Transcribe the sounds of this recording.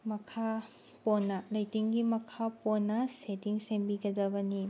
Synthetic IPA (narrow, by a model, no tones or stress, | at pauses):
mɐkʰa | ponːɐlɐjtiŋɡimɐkʰaponːɐsetiŋsembiɡɐdɐbɐni